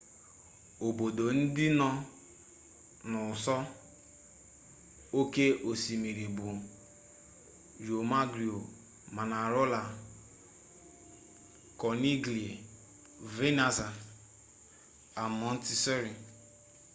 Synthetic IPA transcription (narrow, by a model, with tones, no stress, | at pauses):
o˨bo˨do˨n̩˦dɪ˦nɔ˦ | nʊ˨sɔ˦ | o˦ke˦ʔo˨si˨mi˨ɾi˨bu˨ | jo˨ma˦ɡɾi˨o˨ | ma˨na˨ɾo˦la˨ | kɔ˨ni˦ɡli˨ | ve˦na˨za˨ | a˨mɔ˦n˦ti˦sɔ˦ɾi˨